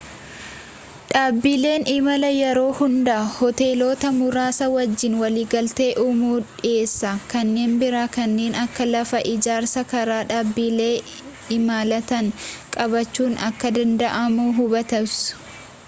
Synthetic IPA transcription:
ᶑaːbːiːle̞ːnɪmɐlɐjɛɾo̞ːhʊnd̪ɐʔɐhɔt̪e̞ːlo̞ːt̪ɐmʊɾaːsɐwɐd͡ʒːɪnwɐliːɡɐlt̪e̞ːʔʊmuːᶑɪe̞ːsːɐkɐnːe̞ːnbɪɾaːkɐnːe̞ːnɐkːɐlɐfɐʔɪd͡ʒaːɾsɐkɐɾaːᶑaːbːiːle̞ː | ɪmaːlɐt̪ɐŋkʼɐbɐt͡ʃːuːnɐkːɐd̪ɐnd̪ɐʔɐmuːɦʊbɐt̪ɐbsʊ̥

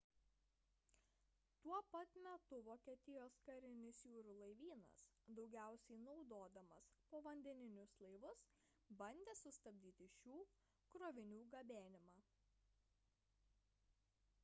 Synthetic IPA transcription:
t̪uɔpɐt̪mʲɛt̪ʊʋoːkʲiɛt̪ʲɪjoːskɐɾʲɪnʲɪsjuːɾʊlˠɐɪʋʲiːnɐ̰sd̪ɒʊɡʲæˑʊsʲɛɪnɒʊd̪oːd̪ɐmɐspoːʋɐnʲd̪ʲɛnʲɪnʲʊslˠɐɪʋʊs | bɐnʲd̪ʲeːsʊst̪ɐbʲd̪ʲiːt̪ʲɪʃʲuː | kɾoʋʲɪnʲuːɡɐbʲæːnʲɪmɑː

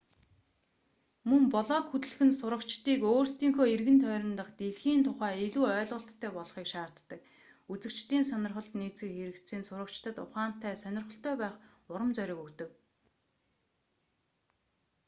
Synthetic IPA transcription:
mɵmpɔɮɔːkxut̪ɘ̆ɮxɘ̆nsʊɾə̆kt͡ɕt̪iːkoːrst̪iːŋxoːerɣɘ̆nt̪ʰœːɾʲɪ̆nt̪ə̆χt̪eɮxiːnt̪ʰʊχæːeɮuːœːɮʁɞ̆ɬt̪ʰːœːpɔɮχiːkʃaːr̥t̪ːə̆k̚ | ut͡sɘ̆kt͡ɕt̪iːnsœnʲɪ̆rχə̆ɬt̪niːt͡sɘ̆kxeɾɘ̆kt̪sɘːnsʊɾə̆kt͡ɕt̪ə̆t̪ʊχaːn̥t̪ːæːsœnʲɪrχə̆ɬt̪œːpæːχʊɾə̆mt͡sœɾʲɪ̆ːkɵkt̪ɘ̆k

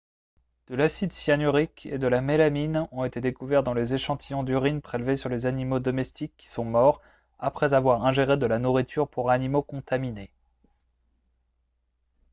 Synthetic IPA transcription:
d̪̥əlasid̪sjanyʁiked̪əlamelaminɔ̃et̪ed̪ekuvɛʁd̪ɑ̃lezeʃɑ̃t̪ʰijɔ̃d̪yʁinpχelvesyʁlezanimod̪ɔmɛst̪ikʲːi̥sɔ̃mɔʁ | apχɛzavwaʁɛ̃ʒeʁed̪əlanuʁit̪ʰyʁpuʁanimokɔ̃t̪amine

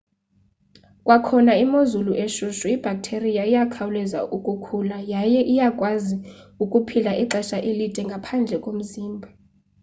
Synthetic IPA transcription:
kʼwakʰɔnaimozuluʔeʃuʃuib̥ʱak̚ʼtʰerijaijakʰawulɛza̰ukʼukʰulajajɛʔijakʼwaziukʼupʰilaʔiǃɛʃaʔilitʼɛŋɡʱapʰand͡ɮʱɛkʼom̩ziːmbʱa

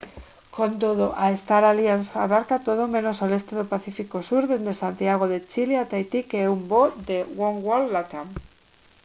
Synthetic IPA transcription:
kont̪oðoʔaest̪aɾaljansa̰βaɾkat̪oð̞omẽnosalest̪eðopaθifikosuɾðend̪esant̪iaɣ̞oðet͡ʃileat̪ajt̪ikeeumbod̪ewoŋwollat̪aŋ

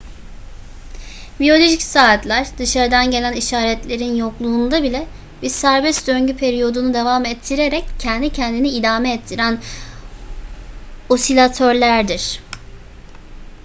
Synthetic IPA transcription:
bijo̞lʲo̞ʒicsaːt̪lʲæɾd̪ɯʃaɾɯd̪anɟe̞lʲæniʃaːɾɛt̪lʲe̞ɾinjo̞klˠuːnd̪abilʲɛ | biɾsæɾbɛst̪d̪øɲɟypʰeɾijo̞d̪unud̪e̞vamɛt̪ʰːiɾeɾɛccʰːɛnd̪icʰɛnd̪iniːd̪aːmɛːt̪ʰːiɾæn | o̞silʲat̪ʰøɾlʲæɾd̪iɾ̥

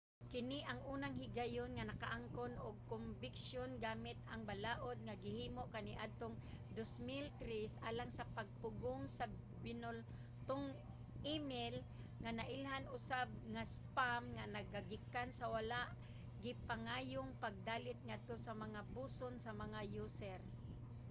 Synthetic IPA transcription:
kɪnɪʔɐŋʔuːnaŋhɪɡajonŋanɐkaʔaŋkonʊɡ̚kʊmbɪksjonɡaːmɪt̪aŋbalaːʔod̪̚ŋaɡɪhiːmoʔkanɪʔad̪̚t̪oŋ | d̪osmɪlt̪ɾɪsʔaːlaŋsapaɡ̚pʊɡʊŋsa | bɪnʊl | t̪ʊŋ | ʔɪmɪl | ŋanaʔɪlɦanʊsab̚ŋaspamŋanaɡaɡɪkansawalaʔ | ɡɪpaŋaːjʊŋpaɡ̚d̪aːlɪt̪̚ŋad̪̚t̪osamaŋabuːsonsamɐŋajuːsɛɾ

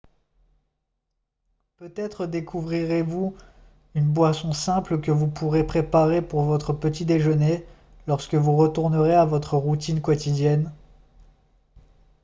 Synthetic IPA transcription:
pøt̪ɛt̪χəd̪ekʰuvʁiʁevu | ynbwasɔ̃sɛ̃pləkəvupuʁepχepaʁepuʁvɔt̪χəpət̪id̪eʒəne | lɔʁskəvuʁət̪uʁnəʁeavɔt̪χəʁut̪inkɔt̪id̪jɛn

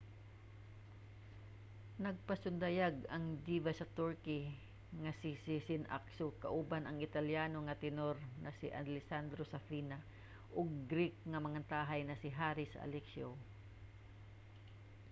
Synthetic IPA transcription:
nɐɡ̚pɐsʊnd̪ɐjaɡɐŋd͡ʒ̪iːvasɐt̪uɹkɪ | ŋɐsɪsɪsɪnʔa̰ksokɐʔubanɐŋɪt̪ɐljaːnoŋɐt̪ɪnoɾnɐsɪʔɐ̰lɪsand̪ɾosɐfiːna | ʔoɡ̚ɡɾɪk̚ŋɐmɐŋant̪aːɦɐjnɐsɪɦaːɾɪsɐɐ̰lɛksjo

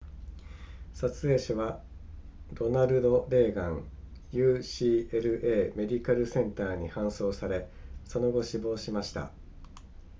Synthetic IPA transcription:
sat͡sɨe̞ːɕaβa | d̪o̞naɾɯ̟d̪o̞ɾe̞ːɡãɰ | jɯ̟ːɕiːeɾɯ̟ʔe̞ːme̞d̪ʲikaɾɯ̟sẽ̞nt̪aːɲ̟ihãɰ̃so̞ːsaɾe̞ | so̞no̞ɡo̞ɕibo̞ːɕimaɕi̥t̪a̰

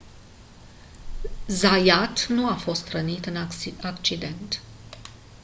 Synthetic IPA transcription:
zajat̪nuafo̞st̪rənit̪ɨnakt͡ʃid̪e̞nt̪

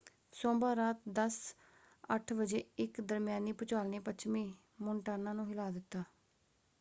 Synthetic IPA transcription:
soːmbaːɾaːt̪̚d̪əs | əʈʰʋəd͡ʒeːɪkd̪əɾmɪjaːniːpʊt͡ʃaːlneːpət͡ʃʰmĩː | mʊɳʈaːnãːnũːɦɪlaːd̪ɪt̪ːaː

